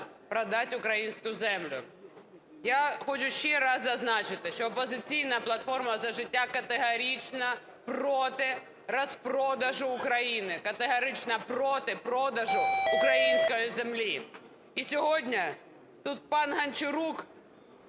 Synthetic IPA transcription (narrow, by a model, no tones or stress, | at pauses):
pɾɐd̪atʲʊkɾɐinskʊjʊzɛmlʲʊ̰ | jaxot͡ʃʊʃeɾazɐznat͡ʃɪt̪ɪʃoɐpɐzɪt͡sʲijnɐjɐplˠɐt̪fo̞rmɐzɐʐɪtʲːakɐt̪ɪɦɐɾʲit͡ʃnɐ | prot̪ɪ | rɐspɾod̪ɐʐʊːkɾɐinɪkɐt̪ɪɦɐɾʲɪt͡ʃnɐpɾot̪ɪpɾod̪ɐʐʊʊkɾɐinskɐjʊzʲɪmlʲi | isʲɪɦodʲnʲɐ | t̪ut̪̚panɦɐnʲt͡ʃɪɾuk